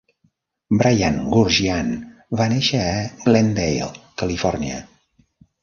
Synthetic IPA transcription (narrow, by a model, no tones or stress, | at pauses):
bɾajanɡuɾʒianβaneʃəːɡlɛnd̪ejlˠkəlifɔrniə̰